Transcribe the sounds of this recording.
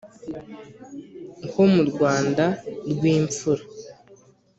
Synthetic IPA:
ŋkomuɾɡwaːndaɾɡwiːɱp͡fuɾa

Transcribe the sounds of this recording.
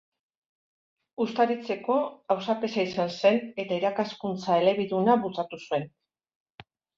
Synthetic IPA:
ust̪aɾit͡se̞ko̞awsape̞saisanse̞ne̞t̪aiɾakaskunt͡sae̞le̞β̞iðunaβut͡sat̪usue̞n

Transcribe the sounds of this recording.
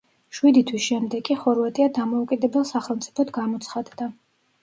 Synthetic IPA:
ʃwid̪it̪ʰwisʃɛmd̪ɛkʼːiχɔɾvat̪ʼiad̪amɔukʼid̪ɛbɛlˠsaχɛlˠmt̪sʼi̥pʰɔt̪ɡamɔt̪sʰχad̪d̪a

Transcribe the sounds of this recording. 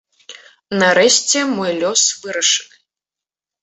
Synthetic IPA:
nɐɾɛɕʲt͡sʲɛmɔjlʲɔsvɨɾɐʂɨnɨ

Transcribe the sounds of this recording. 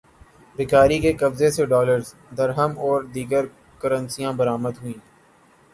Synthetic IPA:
ɾɪkaːɾikekɐbzeseɖɔːləɾz | d̪əɾɦəmɔːɾd̪iːɡəɾ | kəɾə̃nsijãbəɾaːməd̪ɦʊĩː

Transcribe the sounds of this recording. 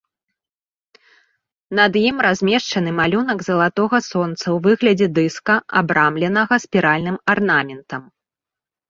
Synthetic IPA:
nɐd̪jimɾazʲmʲɛʂt͡ʂɐnɨmalʲun̪ɐɡzɐlˠat̪ɔɣɐsɔnt̪sɐwvɨɣlʲɐd͡zʲɛd̪ɨskɐʔa̰bɾamlʲɛnɐɣɐsʲpʲiɾalʲnɨmarnamʲɛnt̪ɐm

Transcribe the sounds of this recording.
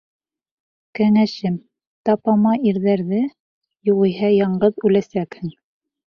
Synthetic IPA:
kæŋæʃɘm | t̪ɑpɑmɑʔiɾðæɾðɘ | juʁĭjɦɑjɑɴɢɤðʉlæsækhɘŋ

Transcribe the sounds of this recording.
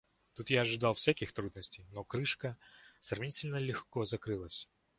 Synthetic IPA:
t̪ut̪jaɐʐɨd̪ɑlˠfsʲakʲixt̪ɾud̪nəsʲtʲejnokɾɨʂkəsɾɐvnʲitʲɪlʲnəlʲɪxkozɐkɾɨlˠəsʲ

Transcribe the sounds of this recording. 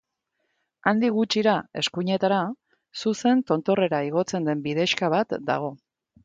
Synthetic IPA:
and̪iɣut͡ʃiɾae̞skuɲe̞t̪aɾa | suse̞nt̪o̞nt̪o̞re̞ɾaiɣo̞t͡se̞nd̪e̞mbiðe̞ʃkaβ̞at̪d̪a̰ɣ̞o̞

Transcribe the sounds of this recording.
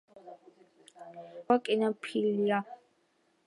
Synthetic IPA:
wakʼɪnapʰilija

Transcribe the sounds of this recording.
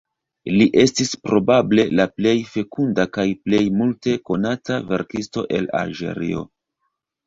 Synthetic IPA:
liʔe̞stispɾo̞bable̞laple̞jfe̞kundakajple̞jmulte̞ko̞natave̞̰ɾkisto̞ʔe̞̰la̰lʒe̞̰ɾḭo̞̰

